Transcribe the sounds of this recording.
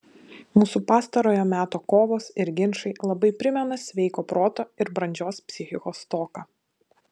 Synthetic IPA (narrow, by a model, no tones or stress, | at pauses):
muːsupɑːst̪ɐɾoːjoːmʲæːt̪oːkoːʋoːsɪɾɡʲɪnʃɐɪlˠɐbɐɪpʲɾʲɪmʲɛnɐsʲʋʲɛɪkoːpɾoːt̪oːɪɾbɾɐnʲd͡ʒʲoːspʲsʲɪxʲɪkoːst̪oːkɑ